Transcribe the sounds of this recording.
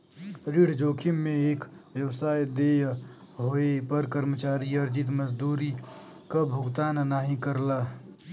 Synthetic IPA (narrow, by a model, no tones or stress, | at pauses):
ɾiɽ̤d͡ʒoːkʰimːẽeːk | ʋjəwsaːjd̪ej | ɦoepəɾkəɾmət͡ʃaːɾiəɾd͡ʒit̪̬məd͡ʒd̪uːɾi | kabʱʊɡt̪aːnnaːɦĩkəɾla